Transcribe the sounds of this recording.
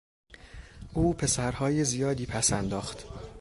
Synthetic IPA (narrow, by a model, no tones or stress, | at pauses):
ʔuːpʰe̞sæɾhɒːjezijɒːd̪iːpʰæsænd̪ɒːxt̪